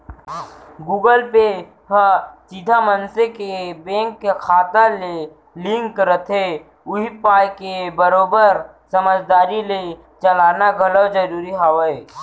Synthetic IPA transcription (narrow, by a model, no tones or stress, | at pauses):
ɡuːɡəlpe | ɦəsid̪ʱamənsekebẽːŋkːekʰaːt̪ale | lɪ̃ŋkɾət̪ʰe | ʊɦipaːjkebəɾoːbəɾ | səməd͡ʒd̪aːɾile | t͡ʃəlaːnaɡʱəlod͡ʒəɾuːɾiɦawə